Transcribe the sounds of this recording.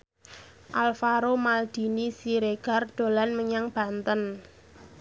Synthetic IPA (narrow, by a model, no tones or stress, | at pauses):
ʔalfaɾomald̪̥i̤nisiɾeɡ̥a̤rɖ̪̥o̤lanməɲaŋb̥a̤nt̪ən